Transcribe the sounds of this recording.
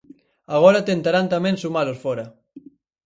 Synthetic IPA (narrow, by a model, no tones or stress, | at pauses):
aɣ̞ɔɾat̪ent̪aɾant̪amensumalosfɔɾɐ